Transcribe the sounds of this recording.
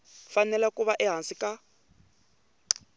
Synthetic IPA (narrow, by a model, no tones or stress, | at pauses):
fanɛlakʼuβaʔɛɦansikʼa